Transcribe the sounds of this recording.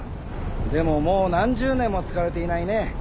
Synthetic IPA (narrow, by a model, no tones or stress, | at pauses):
d̪e̞mo̞mo̞ːnãɲ̟d͡ʑɨːnẽ̞mːo̞t͡sɨ̥kaɾe̞t̪e̞inaine̞